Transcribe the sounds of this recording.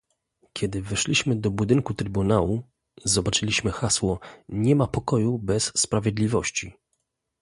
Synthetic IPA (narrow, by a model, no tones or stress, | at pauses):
kʲɛd̪ɘvɛʂlʲiɕmɘd̪ɔbud̪ɘŋkut̪ɾɘbunawu | zɔbat͡ʂɘlʲiɕmɘxaswɔɲɛmapɔkɔjubɛsːpɾavʲjɛd̪lʲivɔɕt͡ɕi